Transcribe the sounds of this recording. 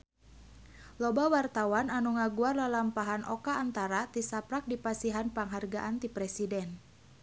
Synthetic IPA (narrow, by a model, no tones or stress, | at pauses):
lɔbawart̪awananuŋaɡuarlalampaɦanʔɔkaːnt̪aɾat̪isapɾak̚dipasiɦanpaŋɦarɡaʔant̪ipɾɛsidɛn